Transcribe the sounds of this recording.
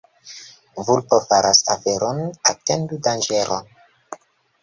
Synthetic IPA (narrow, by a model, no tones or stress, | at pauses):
vulpofaɾʔasafeɾʔonatendudand͡ʒeɾʔo̰n